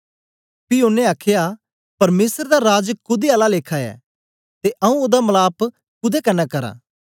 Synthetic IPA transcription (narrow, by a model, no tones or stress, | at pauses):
piʊnːẽaːkʰɪja | pɐɾmeːsəɾd̪aɾaːd͡ʒkʊd̪ealaleːkʰaɛ̰ː | t̪eʔɐũod̪amɐlaːp | kʊd̪ekənːɛːkɐɾã̰ː